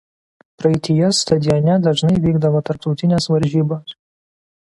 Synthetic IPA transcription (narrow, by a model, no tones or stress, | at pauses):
pɾɐɛɪt̪ʲɪjɛst̪ɐd̪ʲɪjɔnʲɛd̪ɐʒnɐɪʋʲiːɡd̪ɐʋoːt̪ɐɾp̚t̪ɒʊt̪ʲɪnʲesʋɐɾʲʒʲiːbos